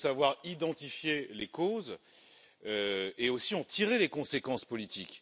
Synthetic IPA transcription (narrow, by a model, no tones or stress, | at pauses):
savwaʁid̪ɑ̃t̪ifjelekoz | øeosiɑ̃t̪iʁelekɔ̃sekɑ̃spɔlit̪ikʲ